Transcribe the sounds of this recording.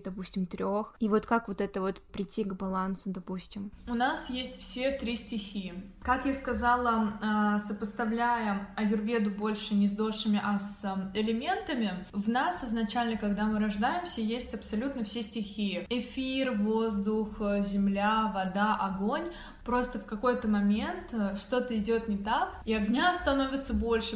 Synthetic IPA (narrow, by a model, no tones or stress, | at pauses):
d̪ɐpusʲtʲɪmt̪ɾʲoxivo̞t̪kakvot̪ɛt̪əvo̞t̪pɾʲɪtʲːiɡbɐlˠansʊd̪ɐpusʲtʲɪmʊnasjesʲtʲfsʲe̞t̪ɾʲisʲtʲɪxʲiɪkakjaskɐzalˠəasəpəst̪ɐvlʲæjəɐjʊrbʲed̪ʊbo̞lʲʂɨnʲɪzd̪oʂɨmʲɪʔɐsɪlʲɪmʲe̞nt̪əmʲɪvnasɪznɐt͡ɕælʲnəkɐɡd̪amɨɾɐʐd̪ajɪmsʲəjesʲtʲɐpsɐlʲut̪nəfsʲesʲtʲɪxʲiɪɪfʲirvo̞zd̪ʊxzʲɪmlʲavɐd̪aʔɐɡo̞nʲ | pɾo̞st̪əfkɐko̞jt̪əmɐmʲe̞nt̪ʂt̪o̞t̪əɪdʲo̞t̪nʲɪt̪akiɐɡnʲaɐst̪ɐno̞vʲɪt̪səbo̞lʲʂɨ